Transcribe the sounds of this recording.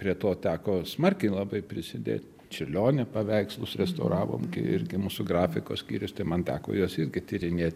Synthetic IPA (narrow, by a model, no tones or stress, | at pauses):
pʲɾʲiɛt̪oːt̪ʲæːkoːsmɐrʲkʲɛɪlˠɐbɐɪpʲɾʲɪsʲɪd̪ʲḛːt̪ʲ | t͡ʃʲɪlʲoːnʲɛpɐʋʲɛɪkslˠʊsɾʲɛst̪ɐʊɾɑːʋo̰ːmkʲɪ̰ɪ̰ɾʲɡʲɪmuːsʊɡrɑːfʲɪko̰ːsʲkʲḭːɾʲʊst̪ɐɪmɐnt̪ʲæ̰ːko̰ːjoːsɪrʲɡʲɪt̪ʲiɾʲɪnʲeːt̪̚ʲ